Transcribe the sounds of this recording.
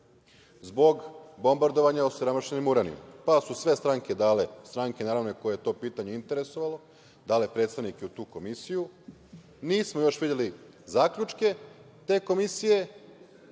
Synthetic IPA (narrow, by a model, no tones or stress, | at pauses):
zbo̞ɡbo̞mbaɾd̪o̞ʋaɲaosiɾamaʃɲenimuɾanḭma̰pasusʋe̞st̪ɾaŋke̞d̪aːle̞st̪ɾaŋke̞naːɾaʋnojekojejet̪o̞piːt̪aɲeint̪e̞ɾesoʋalo̞ | d̪aːlepɾet̪st̪aʋnike̞ut̪uːko̞misiju | niːsmojo̞ʃʋid̪jeli | zaːkʎut͡ʃke̞ | t̪e̞ːko̞misije̞